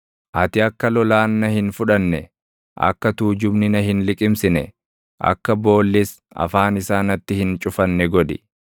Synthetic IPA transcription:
ʔɐt̪ɪɐkːɐlɔlaːnːɐhɪnfʊᶑɐnːɛ | ʔɐ̰kːɐt̪uːd͡ʒʊbnɪnɐɦɪnlɪkʼɪmsɪnɛ | ʔɐ̰kːɐbo̞ːlːɪs | ɐ̰faːnɪsaːnɐt̪ːɪhɪnt͡ʃʼʊfɐnːɛɡɔd̪ɪ

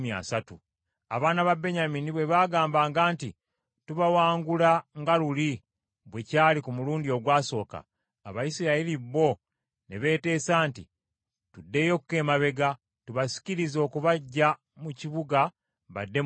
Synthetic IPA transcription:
mia̰satu | a̰βaːnaβabe̞ɲaminiβwe̞βaːɡaːmbaːŋɡaːnti | tuβawaːŋɡulaŋɡaluli | βwe̞caːlikumuluːndio̞ɡwaːso̞ːka̰ː | βajisiɾailiβo̞ | ne̞βe̞ːte̞ːsaːntḭ | tudːe̞ːjo̞kuke̞ːmaβe̞ɡa | tuβasi̥ciɾizo̞ːkuβaɟːa | muciβuɡa | βa̰dːe̞

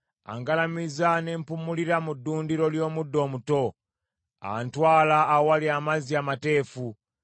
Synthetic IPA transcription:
a̰ŋɡalamizanempumuliɾamudːuːndiɾo̞ljo̞ːmudːo̞ːmuto̞ | a̰ntwaːlaːwaliamaziamate̞ːfu

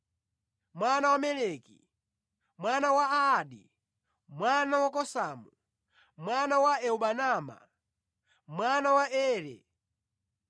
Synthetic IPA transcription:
mwanawamɛlɛkḭ | mwanawaaːɗi | mwanawakɔsamu | mwanawaɛuɓanama̰ | mwanawaɛːɾɛ̰

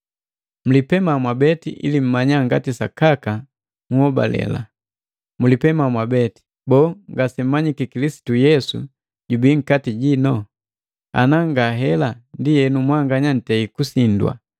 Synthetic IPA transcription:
m̩lipɛmamwabɛtḭʔḭlim̩maɲaŋɡatisa̰kaka | muhɔba̰lɛ̰la̰ | mulipɛmamwabɛti̥ | bɔːŋɡasɛm̩maɲikikilisi̥tujɛsṵ | ɟubiːŋ̩katiɟinɔ | a̰naŋɡaɦɛlandijɛnumwaŋɡaɲan̩tɛikusindwa̰

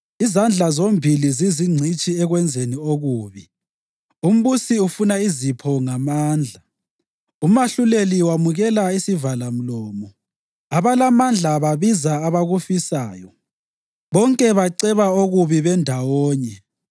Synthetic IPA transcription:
izand͡ɮʱazombʱiliziziŋ͡ǀʱit͡ʃʼiɛɣwɛnd͡zʱenioɣuːβi | um̩βusiufunaizipʰɔŋamaːnd͡ɮʱa | umaɬuleliwamuɣɛlaisivalam̩lɔːmɔ | aβalamand͡ɮʱaβaβizaːβaɣufisaːjɔ | βɔŋkʼɛβaǀɛβaoɣuβiβɛndʱawɔːɲɛ

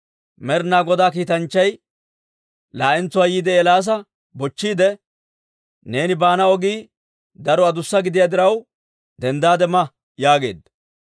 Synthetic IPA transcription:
mɛɾnaːɡɔd̪aːkiːt̪ɐnt͡ʃːɐj | laːʔɪnt͡sːʊwaːjiːd̪ɛɛlaːs̬ɐ | bɔt͡ʃːiːd̪ɛ | ne̞ːnɪbaːnɐɔɡiː | d̪ɐɾɔɐd̪ʊsːɐɡɪd̪ɪjad̪ɪɾɐw | d̪ɛnd̪aːd̪ɛmɐ | jaːɡe̞̰ːd̪ːɐ

